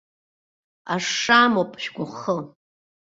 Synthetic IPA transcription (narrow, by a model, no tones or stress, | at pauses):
aʂaːmopʼʃɡʷʊχə